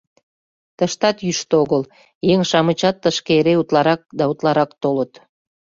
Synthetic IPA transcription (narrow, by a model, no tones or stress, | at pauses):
t̪əʃt̪ɑt̪jyʃt̪oɣəl | jeŋʃɑmət͡ɕɑt̪ːəʃkeeɾeut̪lɑɾɑk̚d̪ɑut̪lɑɾɑkt̪olət̪